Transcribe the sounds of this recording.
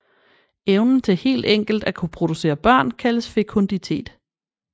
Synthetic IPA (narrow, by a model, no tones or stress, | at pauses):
eʊnn̩t͡sʰe̝he̝̰ːld̥eŋ̰ɡ̥l̩d̥ækʰupʰʁo̝d̥use̝̰ːɐb̥ɶɐ̰nkʰæləsfe̝kʰond̥it͡sʰe̝̰ːd̥